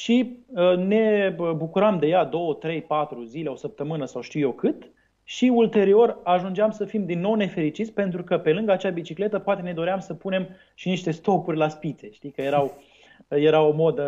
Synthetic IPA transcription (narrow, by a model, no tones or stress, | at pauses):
ʃiəne̞bukuɾamd̪e̞jad̪o̞wət̪ɾe̞jpat̪ɾuzile̞o̞səp̚t̪əmɨnəsawʃt̪iuje̞kɨt̪ | ʃiult̪e̞ɾio̞raʒund͡ʒeamsəfimd̪inːo̞wne̞fe̞ɾit͡ʃit̪sʲpe̞nt̪ɾukəpe̞lɨŋɡəat͡ʃabit͡ʃikle̞t̪əpoat̪e̞ne̞d̪o̞ɾeamsəpune̞m | ʃiniʃt̪e̞st̪o̞purʲlaspit̪se̞ʃt̪ikəje̞ɾaw | je̞ɾawo̞mo̞d̪ə